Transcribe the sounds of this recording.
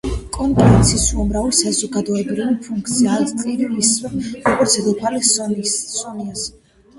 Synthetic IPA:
kʼɔnpʼɾɛnt̪sʰisuamɾavlisazɔɡad̪ɔɛbɾivipʰuŋkʰt̪sʰiaɾt̪ʼiɾiisɛɾɔɡɔɾt̪sʰɛd̪ɔpʰali | sɔnias

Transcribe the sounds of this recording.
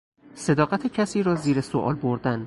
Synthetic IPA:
se̞d̪ɒːɣæt̪ʰecʰæsiːɾɒːziːɾeso̰ʔɒ̰ːlboɾd̪æn

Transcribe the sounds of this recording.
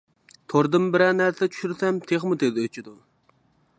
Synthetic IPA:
t̪ʰoɾd̪ɨmbɪɾɛnæɾsɛt͡ʃʰy̥ʃyɾsɛmt̪ʰeχmut̪ʰed̪øt͡ʃʰid̪u

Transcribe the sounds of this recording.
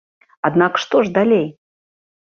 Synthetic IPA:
ad̪nakə̥ʂt̪oʐd̪alʲej

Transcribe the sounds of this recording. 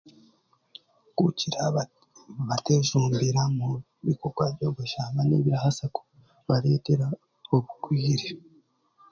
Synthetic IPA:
kuciɾa | βate̞ʒuːmbiɾamu | βikoɡwaβjoːɡoʃaβanḛβiɾahasako̥ | βaɾe̞ːte̞ɾa | oβukwiːɾe

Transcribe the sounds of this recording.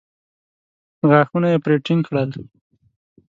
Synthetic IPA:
ɣɑxunajepɾeʈɪŋkɽəl

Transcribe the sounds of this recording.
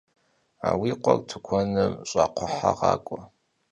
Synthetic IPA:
aːwiqʷʼɔrtʰɨkʷʰɔnɨmɕʼaqʷʰʊħaʁɑːkʷʼɔ

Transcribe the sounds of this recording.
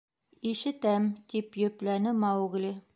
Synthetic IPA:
iʃɘ̆t̪æmt̪ipjɵ̆plænɘmɑwɡlʲi

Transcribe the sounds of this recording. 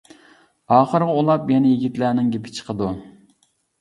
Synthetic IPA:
ɑːχəɾʁɑulˠɑpjɛnɛjeɡʲit̪læːnɪŋɡʲepʰɪ̥t͡ʃʰə̥qʰəd̪u

